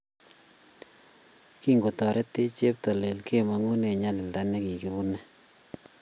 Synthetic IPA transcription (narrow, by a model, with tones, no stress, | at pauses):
ki˦ŋɡo˨tɔ˨ɾe˦tːe˦t͡ʃe˦p̚tɔ˨le˨lkʰe˦ma˨ŋu˦ne˨ɲa˦lɪ˨lda˦nɛ˦ki˨ki˨bu˦nɛ˦